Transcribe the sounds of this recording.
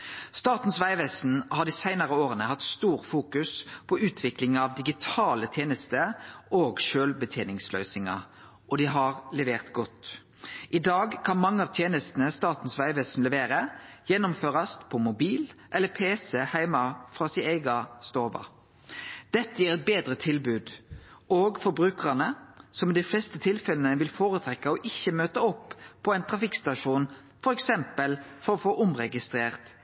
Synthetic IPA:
st̪ɑːt̪n̩sʋæɪʋɛːsn̩hɑd̪ɪsæɪnɑʁəoːɾənəhɑt̪st̪uːɾfuːkʉspʰɔʉːt̪ʰʋɪklɪŋɑʋd̪ɪɡɪt̪ʰɑːlət̪ʰjeːnəst̪əʔoːɡʃøːlbət̪ʰjeːnɪŋslœ̰ʏsɪŋɑ̰ | ʔɔd̪ɪɦɑʁlɛʋeːʁt̪ɡɔt̪ | ʔɪd̪ɑːɡkʰɑnmɑŋːəɑːʋt̪ʰjeːnəst̪n̩əst̪ɑːt̪n̩sʋæɪʋɛːsn̩lɛʋeːɾəjɛnʊmføːʁɑspʰɔmʊbiːlʔɛlːəpʰeːsɛhæɪmɑfʁɑːsɪæɪɡɑst̪oːʋɑ̰ | d̪̥ɛt̪ːəjiːʁɛt̪̚beːd̪ɾət̪ʰɪlbʉːd̪ʔoːɡfɔɾbɾʉːkəʁɑnəsɔmɛd̪ɛflɛst̪ət̪ʰɪlfɛlənəʋɪlfoːɾət̪ʰɾɛkːəɔʔɪçːəmøːt̪əɔpʰːɔæɛɪnt̪ʰɾɑfɪkst̪ɑʂuːn | fɔɾɛksɛmpəlfɔɾɔfoːʔʊmʁɛɡɪst̪ɾeːʁt̪

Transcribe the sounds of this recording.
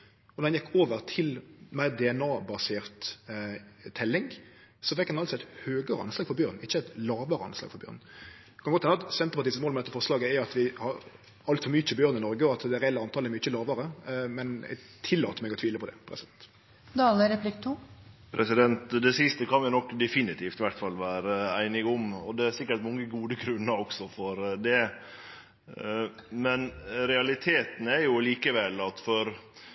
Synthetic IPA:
ɔnɔʁhɑnjɛkːoːʋəɾt̪ʰɪlmæɪd̪ɛɛnɑːbɑseːʁt̪ | t̪ʰːɛlːɪŋ | sɔfɛkːɑnɑlsɔæɪt̪høːɡəɾəɑ̰nslɑːɡfɔɾbjøːɾn̩ɪçːəæt̪lɑːʋəɾəɑ̰nslɑ̰ːɡfɔɾbjø̰ːʁn̩ | kʰɑnɡɔt̪hɛnəɑt̪sɛnt̪əpɑt̪iːst̪moːlmɛd̪ɛt̪ːəfɔʁslɑːɡəæɑt̪ʋɪhɑɾ | ɑlt̪fɔmʏt͡ʃːəbjøːɾnɪnɔɾɡəɔɑt̪d̪ɛɾɛɛlːəɑnt̪ʰɑːləɛɾmyt͡ʃːəlɑːʋəɾəmɛnɛ̰ | t̪ʰɪlːɑːt̪əmɛɡɔt̪ʰʋiːləpʰɔd̪ɛ̰pʰɾɛ̰sɪd̪ɛnt̪ | d̪ɑːləɾɛplɪkt̪ʰupʰɾɛsɪd̪ɛnt̪d̪ɛsɪst̪əkʰɑnʋɪnɔkːd̪ɛfɪnɪt̪ʰiːft̪ɪʋæʈfɑlːʋæːɾəæɪnɪɡʊmɔ̰d̪ɛæɾsɪkːəʈmɔŋːəɡuːd̪əɡɾʉnːəɾɔksɔfɔɾd̪ɛ | mɛnɾɛɑlɪt̪ʰeːt̪n̩ɛɾjʊliːkəʋɛlːɑt̪fɔɾ

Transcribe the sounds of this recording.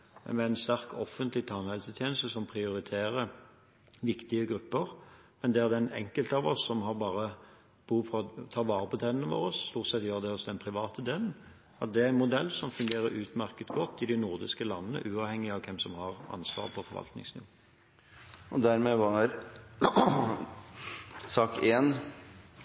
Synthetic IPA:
mɛæɪnst̪æɾkʰɔfːənt̪lɪt̪ʰɑnhɛlsət̪ʰjeːnəst̪əsɔmpʰʁɪʊɾɪt̪ʰeːɾə | ʋɪkt̪ɪəɡɾʉpːəɾ | mɛnd̪ɛæʁd̪ɛnɛ̰ŋkəlt̪əɑʋɔsːɔmɦɑɾbɑːʁə | b̥uːfʁɔt̪ʰɑːʋɑːɾəpɔt̪ʰɛnənəʋo̰ːɾɔsːt̪uːʁt̪sɛt̪jøːʁd̪ɛɔsd̪ɛnpʰʁɪʋɑːt̪əd̪eːln̩ | ɑt̪̚d̪ɛæɾæɪnmʊd̪ɛlːsɔmfʉŋɡeːɾəɾʉːt̪mæʁkət̪ɡɔt̪ːɪd̪ɪnʊʁd̪ɪskəlɑnːənə̰ʔʉːɑʋhɛŋːɪɑʋkʰɛmsɔmhɑʁɑ̰nsʋɑ̰ːʁpʰɔfɔɾʋɑ̰lt̪nɪ̰ŋsnɪʋo | ɔd̪æɾmɛʋɑɾ | sɑːkeːn

